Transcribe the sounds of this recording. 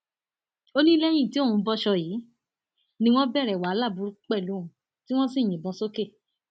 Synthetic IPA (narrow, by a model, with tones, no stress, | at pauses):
o˦nĩ˦lɛ̃˦ĩ˦˨ti˨˦o˦˨ũ˨˧bɔ˧ʃɔ˧jiː˨˦ | nĩ˧w̃ɔ̃˦bɛ˦˨ɾɛ˨wa˨˦la˦˨bu˨˧˦ɾu˦k͡pɛ˦˨lu˨˦˨ũ˨ | ti˦w̃ɔ̃˦si˦˨j̃ĩ˨bɔ̃˧˦so˦ke˦˨